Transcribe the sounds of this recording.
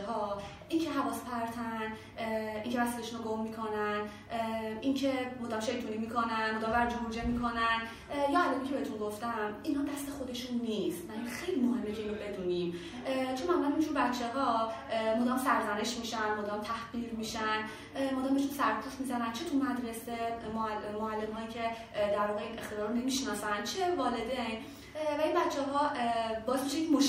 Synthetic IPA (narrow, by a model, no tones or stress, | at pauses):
ɦɒː | ʔincʰe̞ɦævɒːspʰæɾt̪ʰæn | iŋcʰevæsileʃunoɡomːiːkʰo̞næn | ʔincʰe̞mod̪æmʃe̞jt̪ʰunimikʰo̞nænmod̪ɒmvæɾd͡ʒomuɾd͡ʒemikʰo̞næn | jɒælɒːmicʰeeet̪unɡoft̪æminɦɒːd̪æst̪e̞xo̞d̪e̞ʃunːist̪næinxe̞jlimoɦe̞mːecʰe̞iːnobe̞d̪uniːm | t͡ʃʰonmæmulænind͡ʒuːɾbæt͡ʃʰːeɦɒmod̪æmsæɾzæne̞ʃmiːʃænmod̪æmt̪ʰæhv̥iːlmiːʃæn | moːd̪æːmbeʃ̬unsæɾpʰusmizænænt͡ʃʰe̞t̪ʰumæd̪ɾesemmoælːe̞mɦɒːjiːcʰe̞ | d̪æɾvɒːɣe̞ine̞xt̪ed̪ɒːɾone̞miʃnɒːsænt͡ʃʰevɒːle̞d̪ejn | væinbæt͡ʃʰːɛɦɒːbɒːsmi̥ʃemoʃ